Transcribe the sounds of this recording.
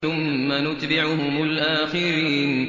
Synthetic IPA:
ʊmːanʊt̪bɪʕʊɦʊmʊlʔaːxɪɾiːn

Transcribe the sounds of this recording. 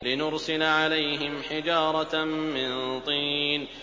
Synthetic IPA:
lɪnʊɾsɪlaʕalajɦɪmħɪd͡ʒɑːɾˤɑːɪnt̪ˤiːn

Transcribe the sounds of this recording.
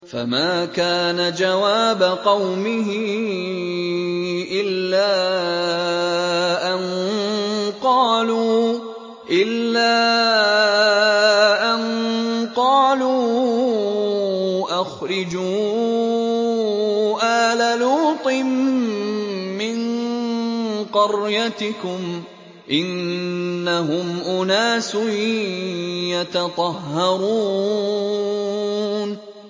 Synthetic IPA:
fa̰maːkaːnad͡ʒawaːbaqɑwmɪɦɪ | ʔɪlːaː | ʔan | qɑːluː | ʔɪlːaː | ʔanqɑːluː | ʔaxɾɪd͡ʒuː | ʔaːlaluːt̪ˤɨm | ɪn | qɑɾjat̪ɪkʊm | ʔɪnː | aɦʊmʔʊnaːsʊ | jat̪ɑt̪ˤɑhːɑɾˤuː | n

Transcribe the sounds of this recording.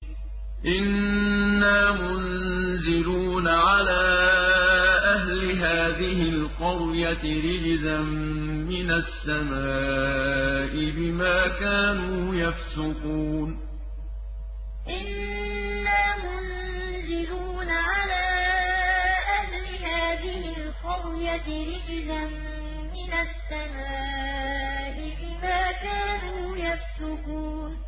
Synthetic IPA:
ʔɪnː | aːmʊnzɪluːnaʕalaː | ʔaɦlɪɦaːðɪɪlqʊɾjat̪ɪɾɪd͡ʒzamː | ɪnasːamaː | ʔɪbɪmaːkaːnuːjafsʊquːn | ʔɪnː | aːmʊn | zɪluːnaʕalaː | ʔahlɪhaːðɪhɪlxʊwjat̪ | ɾɪʔzamː | ɪnasːamaː | ʔɪbɪmaːkaːnuːjafsʊquːn

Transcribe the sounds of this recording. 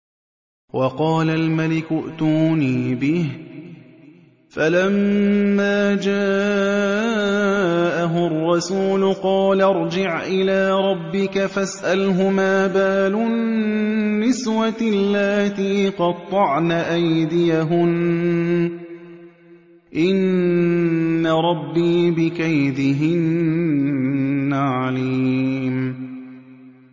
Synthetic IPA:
wɑqɑːlalmalɪkʊʔt̪uːniːbɪh | falamːaːd͡ʒaː | ʔaɦʊrˤːɑsuːlʊqɑːlaɾˤd͡ʒɪʕʔɪlaːɾˤɑbːɪkafasʔalɦʊmaːbaːlʊ | ɪswalːaːt̪iːqɑt̪ˤːɑʕnaʔajd̪ɪjaɦʊn | ʔɪn | aɾˤɑbːiːbɪkajd̪ɪɦɪn | aʕaliːm

